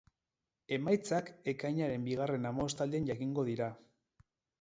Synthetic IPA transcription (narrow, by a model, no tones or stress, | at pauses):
e̞majt͡sake̞kajɲaɾe̞mbiɣare̞namost̪ald̪eanʝakiŋɡo̞ðiɾa